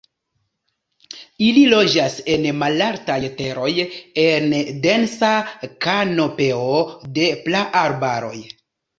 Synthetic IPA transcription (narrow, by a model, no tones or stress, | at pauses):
ililo̞d͡ʒase̞nmalaɾtajte̞ɾo̞jende̞nsakano̞pe̞ode̞plaʔaɾbaɾo̞̰j